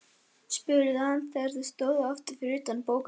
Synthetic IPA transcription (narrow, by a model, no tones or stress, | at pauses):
spʏɾɪðɪhanθɛaɾθɪst̪oːwðɔft̪ɪɾ̥fɪɾʏːt̪anpoːwk